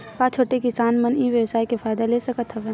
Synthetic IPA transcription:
pãt͡ʃʰoːʈekɪsaːnməniʋjəʋsaːikefaːɪd̪alesɐkət̪ʰɦɐʋeː

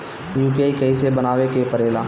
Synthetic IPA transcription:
juːp̬ijaːikɐisebənaːʋekepəɾeːlaː

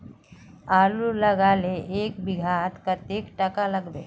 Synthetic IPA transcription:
aːlulɐɡaːleʔeːkbɪɡʱaːt̪kat̪eːkʈəkaləɡd̪ḛː

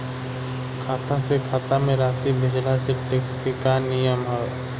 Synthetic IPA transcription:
kʰaːt̪asekʰaːt̪amẽɾaːsibʱɪd͡ʒlaseʈekskekaːnːijəmɦɛ

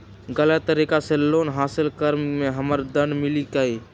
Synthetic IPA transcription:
ɡəlat̪əɾiːkaseloːnɦaːsɪlkəɾmẽɦɐməɾd̪ə̃nɖmɪlikaiː

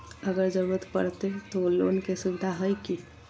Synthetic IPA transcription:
əɡəɾd͡ʒəɾuɾət̪pə̰ɾt̪et̪olo̰nkesubid̪ʱaɦəjki

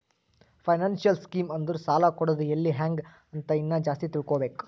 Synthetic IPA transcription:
pʰɐjnaːnsijɐlskiːmɐnd̪uɾusaːlakɔɽod̪uelːiɦaːŋɡ | ɐnt̪ɐinːɐd͡ʒaːst̪it̪iɽkoːbe̞ːku̥

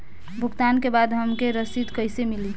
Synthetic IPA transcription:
bʱuɡt̪ankebad̪ɦəmkeɾəsit̪kəɪsemili

